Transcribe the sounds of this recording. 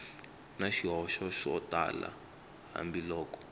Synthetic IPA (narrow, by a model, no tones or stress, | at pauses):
naʃiɦɔʃɔʃɔta̰la̰ | ɦa̰mbilɔːkɔ̥